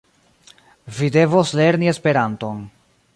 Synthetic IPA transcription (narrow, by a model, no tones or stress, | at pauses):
vide̞vosle̞ɾnie̞spe̞ɾanto̞n